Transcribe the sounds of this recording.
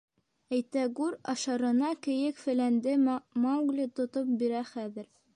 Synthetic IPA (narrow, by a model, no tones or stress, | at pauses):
æjt̪æɡʉɾɑ̰ʃɑɾɤ̆nɑkɘ̆jɘkfɘ̆lænd̪ɘmɑwɡlʲit̪ŏt̪op̚biɾæχæðɘ̆ɾ